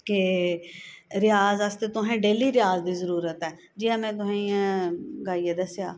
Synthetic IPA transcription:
ke | ɾɪjaːzəst̪et̪ʊɦɛ̃ːɖeːliːɾɪjaːzd̪iːzəɾuːɾət̪ɛː | d͡ʒiːãːmɛ̃ːt̪̬ʊɦẽ | ɡaːied̪əsjaː

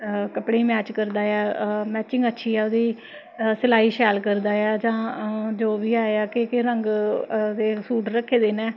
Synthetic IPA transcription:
kəpɽeːmɛːt͡ʃkəɾd̪aːɛːmɛːt͡ʃɪ̃ŋɡətːʃʰiːɛːod̪iː | səlaːiːʃɛːlkəɾd̪aːɛːd͡ʒãːd͡ʒoːʋiːaːeaːkekeɾəŋɡd̪eːsuːʈɾəkʰːeːd̪eːnɛ̃ː

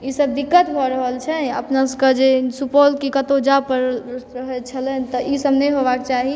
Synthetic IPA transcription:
isəb̚d̪ikːət̪bʱɔɾəɦəlt͡ʃʰɛəpnaskəd͡ʒesupɔlkikət̪od͡ʒapəɾɾəɦɛt͡ʃʰəlɛnt̪ɔʔisəbnɛjɦobakt͡ʃaɦi

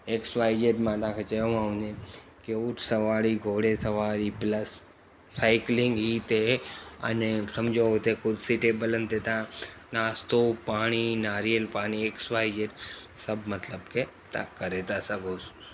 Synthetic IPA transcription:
eksʋaːid͡ʒeːʈmãt̪ɐãːkʰeːt͡ʃɐjõãɦũɲe | keuʈʰsɐʋaːɽiɡʱoːɽesɐʋaːɾipləsː | aːɪklɪ̃ŋɡɦit̪eɐ̰nesɐmd͡ʑoːt̪ekʊɾsiʈeːbələnt̪et̪ãnaːst̪opaːɽ̃inaːɾijəlpaːɽ̃ieːksʋaːid͡ʒeːʈsɐbmɐt̪ləbke | t̪ã̰kɐɾet̪asɐɡʱoːs

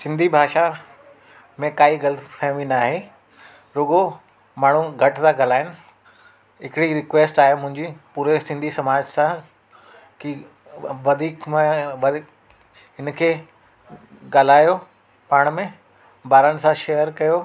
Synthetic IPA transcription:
sɪ̃nd̪ʱibʱaːʃa | mẽkaːiɡɐlfʰɛ̃ːʋĩnaːɦe | ɾʊɡo | maːɳ̤̃ũɡʱɐʈtãɡaːl̤aːɪnɪ̆ | ɦɪkɪɽiɾɪkʋeːsʈaːɦemʊ̃ɦɪ̃ɲd͡ʑipuːɾesɪ̃nd̪ʱisɐmaːd͡ʑsã | ki | ʋɐd̪ʱiːkmʋ̪ | ɪnkʰeː | ɡaːl̤aːjo | paːɽ̃mẽ | baːɾənɪ̆sãʃejəɾkɐjoː

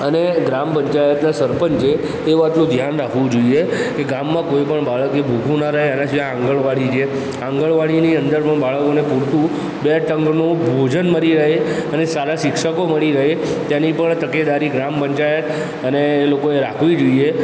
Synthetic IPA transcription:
əneɡɾampəɲt͡ʃajət̪nasəɾpənt͡ʃʰeː | ʋat̪nũd̪ʱjanɾakʰʋũd͡ʒoiekeɡamːãkojpəɳbaɭəkebʱuɡʱũnaɾəɦeənãʃiããŋɡəɭʋaɽit͡ʃʰe | ãŋɡəɭʋaɽiniənd̪əɾpəɳbaɭəkonepuɽt̪ũ | beʈəŋɡnũbʱod͡ʒənməɾiɾəɦeənesaɾaʃɪkʂəkoməɭiɾəɦet̪janipəɳt̪əked̪aɾiɡɾampəɲt͡ʃajət̪ | ənelokoeɾakʰʋid͡ʒoie

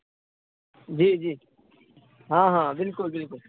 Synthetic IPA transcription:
d͡ʒiːd͡ʒiː | ɦãːɦãːbɪlkʊlbɪlkʊl

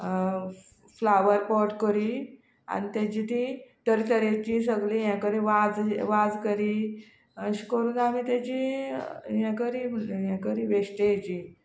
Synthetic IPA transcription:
flaʋəɾpɔʈkəɾi | a̰nit̪at͡ɕit̪ĩt̪əɾit̪əɾet͡ɕĩs̬əɡlĩjãkəɾĩʋad͡zʋad͡zkəɾi | əɕi̥kəɾuːnamit̪jat͡ɕi | jãkəɾijãkəɾiʋesʈejet͡ɕi

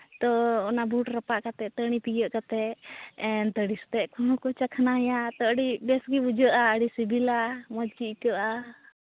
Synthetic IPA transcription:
t̪ɔːnabuʈɾəpaʔkat̪ɛt̪əɽ̃ipijəʔkat̪ɛɛnt̪əɽist̪ɛʔkʰɔnɔ̃kɔt͡ʃakʰanajat̪əʔɽibɛsɡibud͡ʒəʔaəɽisibilamɔd͡ʒt͡ʃiʔkəʔa

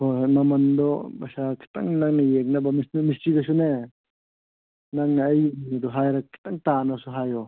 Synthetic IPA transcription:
hojmamand̪ɔbasakʰi̥ta̰ŋnaŋnajek̚nabamisnmistiɡas̬une | naŋnaːjːinid̪ɔɦajɾakʰːi̥taŋtanasuɦajɔ

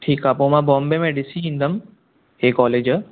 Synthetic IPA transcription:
ʈʰiːkapoːmãbɔːmbemẽɖɪsiĩnd̪əm | eːkɔːled͡ʒə

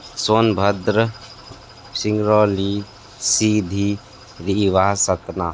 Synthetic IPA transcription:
soːnbʱɐd̪ɾə | siŋɡɾoːli | siːd̪ʱi | ɾiʋaːsɐt̪na̰ː

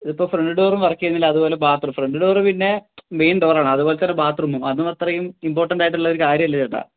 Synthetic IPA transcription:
iðipːoːfreɳɖɨɽoːrumʋɐrɐkʲːijenːilːɐðubo̞ːle̞baːt̪rumfreɳɖɨɽoːrɨpinːe̞me̞jnɖoʋraːɳɨɐðubo̞ːlet̪ːɐnːe̞baːt̪rumːumɐnːumɐt̪ːrɐjumimpo̞ːrʈːɐɳɖaːjiʈ̬ːuɭːɐoɾukaːɾjɐmilːɐt͡ɕeʈːa̰

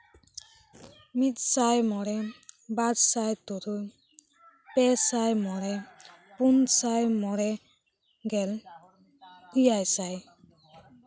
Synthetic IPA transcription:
mit̪̚sajmɔɾɛbadsajt̪ɔɾuj | pɛsajmɔɾɛ | punsajmɔɾɛ | ɡɛl | kijajsaj

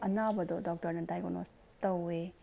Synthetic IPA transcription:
ʔɐnabɐd̪ɔdɔk̚tɐɾnɐdajɡono̰s | tɐwe

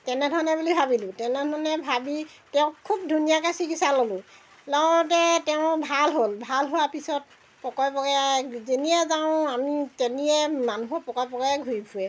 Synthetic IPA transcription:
tɛnɛdʱɔɹɔnɛbulibʱabilʊ̃tɛnɛdʱɔɹɔnɛbʱabi | tɛʊ̃kʰub̚dʱunijakasikisalolʊ̃ | lɔɔɹɔt̬ɛtɛʊ̃bʱalɦolbʱalɦuwapisɔt̚ | pɔkɔjpɔɡɛzeniɛzaʊ̃amitɛniɛmanuɦɔpɔkɔjpɔkɛɛɡʱuɹipʰuɛ

